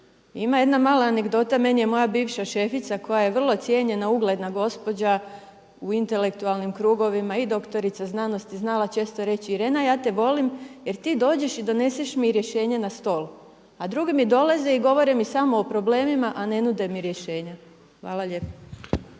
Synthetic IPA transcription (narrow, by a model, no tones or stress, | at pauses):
imaje̞d̪namaːlaːne̞ɡd̪o̞t̪amenijemo̞jabiːʋʃaʃe̞fit̪sako̞jaje̞ʋr̩lˠo̞t̪sjeɲe̞nauɡle̞d̪naɡo̞spo̞d͡ʑa | uint̪e̞le̞kt̪ualˠnimkɾuːɡo̞ʋimaid̪o̞kt̪o̞ɾit̪saznaːno̞st̪iznalˠat͡ʃe̞st̪o̞ɾe̞t͡ɕiɾe̞ːnajaːt̪e̞ʋo̞limje̞ɾt̪iːd̪o̞ːd͡ʑe̞ʃid̪o̞ne̞seʃmiɾje̞ʃe̞ːɲenast̪o̞ːlu | ad̪ɾuɡimid̪o̞leze̞iɡo̞ʋo̞ɾimisamo̞opɾo̞ble̞ːmimaʔane̞nud̪e̞miɾje̞ʃe̞ːɲa | xʋaːlˠaʎe̞po̥